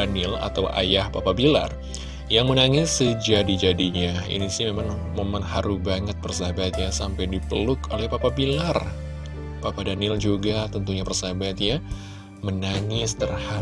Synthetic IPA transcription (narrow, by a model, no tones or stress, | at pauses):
anɪla̰t̪awa̰jahpapabila̰r | jaŋmənaŋɪsːəd͡ʒadid͡ʒadiɲaḭnisiɲamemaŋmomanhaɾubaŋət̪̚pərsabat̪̚jasampajdipə̰lʊkolɛhpapabilar | papadanɪld͡ʒuɡat̪ənt̪uɲapərsabat̪ja | mənaŋɪst̪ərha